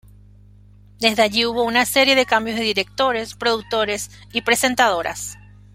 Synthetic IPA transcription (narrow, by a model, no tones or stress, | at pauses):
d̪e̞zðeaʝiuβo̞unase̞ɾje̞ðe̞kambjozðe̞ðiɾe̞k̚t̪o̞ɾe̞spɾo̞ðuk̚t̪o̞ɾe̞s | ipɾe̞se̞nt̪að̞o̞ɾʔa̰s